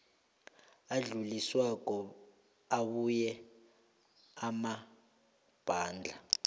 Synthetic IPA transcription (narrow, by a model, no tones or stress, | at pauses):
aɮuliswakɔ | aβujɛ | ama | b̥ʱaːnd͡ɮʱa